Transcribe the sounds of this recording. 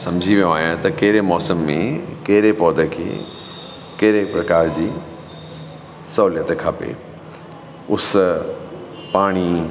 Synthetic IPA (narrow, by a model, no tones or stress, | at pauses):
sɐ̃md͡ʑʱiʋijõaːɦjãt̪ɐkɐɦɪɾemɔːsəmːḛ̃kɐɦɪɾepɔːd̪ʱə̆kʰḛː | kɐɦɪɾepɾɐkaːɾd͡ʑiː | sɐɦuːljət̪kʰaːpḛː | ʊs | paːɽ̃i